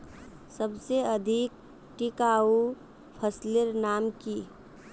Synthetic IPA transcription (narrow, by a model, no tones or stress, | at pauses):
səbseɐd̪ʱik̚ | ʈɪkaːu | pʰəslɪɾnaːmki